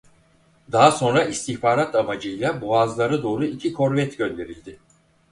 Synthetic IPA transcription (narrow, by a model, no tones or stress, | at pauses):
d̪aɦaso̞nɾaʔist̪ʰiçbaːɾat̪ʰaβad͡ʒɯjlˠaboazlˠaɾad̪o̞ːɾuicʰikʰo̞ɾvɛt̪ɟø̞nd̪e̞ɾilʲd̪ɪ